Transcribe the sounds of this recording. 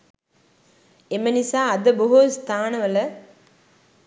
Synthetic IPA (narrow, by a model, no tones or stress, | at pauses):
emənisaːd̪əboɦust̪ʰaːnəʋələ